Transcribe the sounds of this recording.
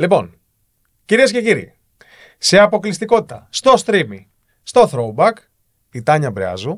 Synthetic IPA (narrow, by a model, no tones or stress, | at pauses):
lipo̞n | ciɾiesce̞ciɾḭ | se̞ɐpo̞klist̪iko̞t̪i̥t̪ɐst̪o̞st̪ɾimi | st̪o̞θɾo̞ubɐk | it̪ɐɲɐbɾeɐ̰zu